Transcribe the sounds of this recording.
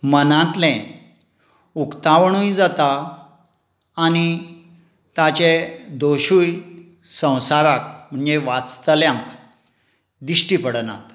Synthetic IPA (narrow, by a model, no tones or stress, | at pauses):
mənãt̪lɛ̃ | ukt̪aʋɳ̃ujd͡zat̪a | ñi | t̪at͡ɕed̪oɕuj | sə̃w̃saɾakm̤əɳd͡ʑeʋat͡st̪əljãŋk | d̪iɕʈipəɽna̰t̪